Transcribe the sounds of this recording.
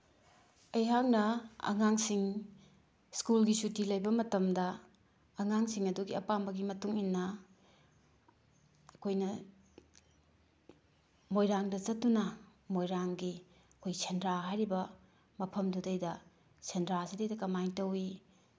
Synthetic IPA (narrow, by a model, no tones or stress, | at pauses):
ɐjɦak̚nɐɐ̰ŋaŋsiŋ | skulɡisutilɐjbɐmɐtɐmdɐː | ŋaŋsiŋɐduɡiɐpambɐɡimɐtuŋinːɐ | ɐkʰojnɐ | mojɾaŋdɐt͡ʃɐt̚tːunɐmojɾaŋɡi | ɐkʰojsʰendɾaɦajɾibɐ | mɐpʰɐmdudɐjdɐ | sʰendɾasidɐjdɐkɐmajŋtɐwi